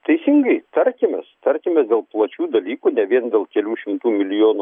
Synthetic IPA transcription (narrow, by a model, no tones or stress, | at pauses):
t̪ɐɪsʲɪŋɡɐɪt̪ɐɾʲkʲɪmʲɛst̪ɐɾʲkʲɪmʲɛsd̪ʲeːlˠplˠɐt͡ʃʲuːd̪ɐlʲiːkuːnʲɛʋʲiɛnd̪ʲeːlˠkʲɛlʲuːʃʲɪmt̪uːmʲɪlʲɪjoːnu